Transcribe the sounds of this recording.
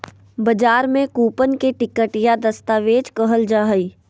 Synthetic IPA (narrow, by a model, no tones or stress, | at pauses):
bɐd͡ʒaːɾmẽkuːpənkeʈɪkəʈjad̪ɐst̪aːʋeːd͡ʒkəɦəld͡ʒaːɦəiː